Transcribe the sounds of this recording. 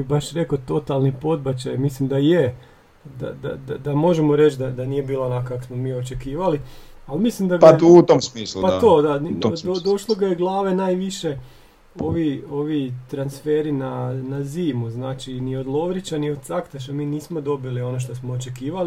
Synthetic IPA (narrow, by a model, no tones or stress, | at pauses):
ibaʃɾe̞kot̪o̞t̪alˠnipo̞d̪̚bat͡ɕajmislimd̪aje | d̪a̰d̪a̰d̪ad̪amo̞ʒemoɾe̞t͡ʃd̪ad̪aniːje̞biːlanakaksmo̞miːo̞t͡ʃe̞kiːʋali | almislimd̪aɡut̪omsmiːslupat̪od̪and̪od̪o̞ʃlˠoɡajeɡlˠaːʋenaːjʋiʃe̞ | oʋio̞ʋit̪ɾansfeːɾinanaziːmuznaːt͡ʃinio̞d̪lˠo̞ʋɾit͡ɕaniod̪̥̚t̪sakt̪aʃ̬amiːniːsmo̞d̪o̞bilio̞noʃ̬t̪o̞smoot͡ʃe̞kiːʋali